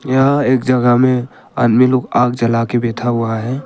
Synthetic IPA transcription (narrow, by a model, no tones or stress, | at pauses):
jaɦeːk̚d͡ʒəɡəɦmẽ | a̰ːnmiloːɡaːɡd͡ʒəlakebeːt̪ʰaɦʊaɦɛ̃ː